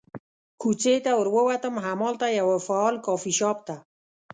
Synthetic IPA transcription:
kut͡set̪awəɾwəwat̪əmɦamɔlt̪ajawafaɔlkɔfiʃɑp̚t̪a

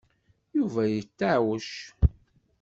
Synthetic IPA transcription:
juvæjət͡sːaʕwəʃ

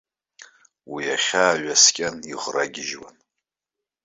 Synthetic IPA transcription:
wiaχʲaːɥaskʲʼaniʁraɡʲɪʒwa̰n

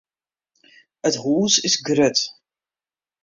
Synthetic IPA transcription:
ətʁuːzɪsɡɾətʰ

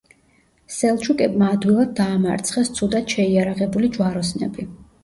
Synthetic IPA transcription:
sɛlˠt͡ʃʰukʼɛbmaːd̪wilˠad̪̚ːaːma̰ɾt̪sʰχɛst̪sʰud̪ad̪̥ʃɛiaɾaʁɛbulid͡ʒwaɾɔsnɛ̰bi

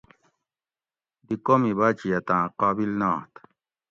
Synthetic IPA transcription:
d̪ikomiβat͡ɕijat̪ãːqɑːbilnɑːht̪

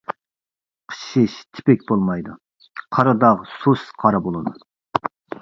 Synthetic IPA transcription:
qʰə̥ʃɪʃt̪ʰɪ̥pɛk̚ʲbolˠmɑjd̪u | qʰɑɾɑd̪ɑʁsusqʰɑɾɑbolˠɨd̪u

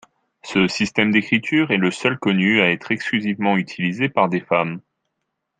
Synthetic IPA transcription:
səsist̪ɛmd̪ekχit̪ʰyːʁɛləsœlkɔnyaɛt̪χɛksklyzivmɑ̃yt̪ʰilizepaʁd̪efam

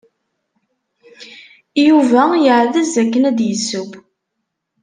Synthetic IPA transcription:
juvæjəʕðəzækːənæd̪jəsːuɡ

